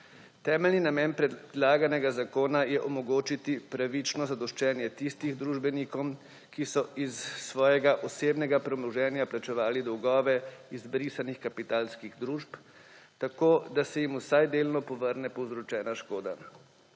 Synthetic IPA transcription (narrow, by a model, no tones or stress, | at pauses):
t̪ɛːmɛlninamɛːnpɾɛd̪laːɡanɛɡazakoːnajɛʔɔmɔɡoːt͡ʃit̪ipɾaʋit͡ʃnɔzad̪ɔʃt͡ʃɛːnjɛt̪ist̪iɣd̪ɾuːʒbɛnikɔm | kisɔisːʋɔːjɛɡaʔɔseːbnɛɡapɾɛɔmlɔʒɛːnjaplat͡ʃɛʋaːlid̪ɔwɡɔːʋɛizbɾisanixkapit̪aːlskiɣd̪ɾuːʃp | t̪akoːd̪asɛjimusajd̪eːlnɔpɔʋəɾnɛpɔwzɾɔt͡ʃɛːnaʃkoːd̪a̰